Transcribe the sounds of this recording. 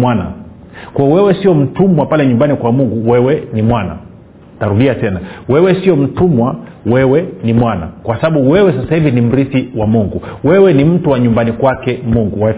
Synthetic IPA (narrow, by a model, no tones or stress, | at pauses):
mwana̰ | kwaɔwɛwɛsiɔm̩tumwapalɛɲumbanikwamuŋɡuwɛwɛnimwana̰ | taɾuɗiatɛnawɛwɛsiɔm̩tumwa | wɛwɛnimwana̰kwasaɓaɓuwɛwɛsasahivinim̩ɾisiwamuŋɡuwɛwɛnim̩tuwaɲumbanikwakɛmuŋɡuwa